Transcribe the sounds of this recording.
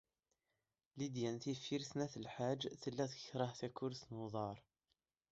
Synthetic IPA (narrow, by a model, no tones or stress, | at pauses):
lid̪jænθifiɾθnæθəlħad͡ʒːθəlːæθə̥çɾˤəhθækːʊɾθnoðˤɑɾˤ